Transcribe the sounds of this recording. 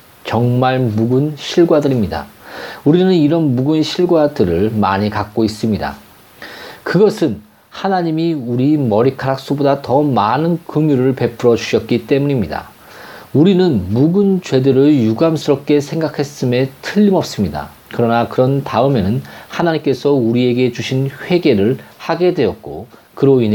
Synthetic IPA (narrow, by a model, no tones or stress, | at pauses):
t͡ɕʌŋmaɭmuɡunɕʰiɭɡwadɯɾimɲida̰uɾinɯniɾʌnmuɡunɕʰiɭɡwadɯɾɯɭma̰ɲikak̚k͈ois͈ɯmɲida̰ | kɯɡʌsʰɯn | hanaɲimiuɾimʌɾikʰaɾak̚s͈obodatʌmanɯnkɯŋjuɾɯɭpe̞pʰɯɾʌd͡ʑuɕʰʌt̚k͈it͈e̞muɲimɲida̰ | uɾinɯnmuɡɯnt͡ɕwe̞dɯɾɯɭjuɡamsʰɯɾʌp̚k͈e̞sʰe̞ŋɡakʰes͈ɯme̞tʰɯʎːimʌp̚s͈ɯmɲida̰ | kɯɾʌnakɯɾʌntaɯme̞nɯnhanaɲimk͈e̞sʰʌuɾie̞ɡe̞d͡ʑuɕʰinɸwe̞ɡe̞ɾɯɭhaɡe̞dwe̞ʌt̚k͈o | kɯɾoin